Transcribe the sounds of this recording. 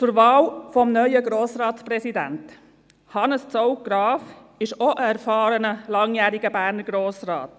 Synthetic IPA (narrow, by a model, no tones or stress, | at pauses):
t͡sʊɾvɑːlfɔmnœʏəɡɾoːsɾɑːtsprɛsidæ̰nt | hɑnəst͡sɔʊɡɾɑːf | ɪʃɔʔəæɾfɑːɾənəlɑŋjæːɾiɡəbæːɾnəɾɡɾoːsrɑ̰ːt